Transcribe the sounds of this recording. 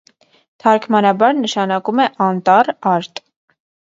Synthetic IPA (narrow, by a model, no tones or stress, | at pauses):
t̪ʰɑɾkʰmɑnɑbɑɾnəʃɑnɑkumɛʔɑnt̪ɑrɑɾt̪ʼ